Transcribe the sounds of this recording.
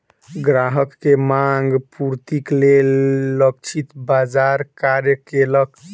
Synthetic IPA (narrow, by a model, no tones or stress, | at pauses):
ɡɾaɦəkːemaŋɡpuɾt̪iklelːək̚t͡ʃʰit̪bad͡ʒaɾkaɾjəkelək